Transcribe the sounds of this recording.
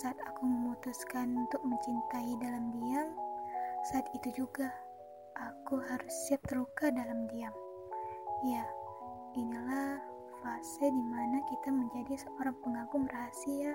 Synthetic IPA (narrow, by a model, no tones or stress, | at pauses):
saːt̪akuməmut̪uskanunt̪ʊk̚məɲt͡ʃint̪aidalamdiam | saːt̪it̪ud͡ʒuɡa | ʔakuɦaɾʊsːiap̚t̪ərlukadalamdiam | ja | inila | fasɪdimanakit̪aməɲd͡ʒadisəoɾaŋpəŋaɡʊŋraɦasia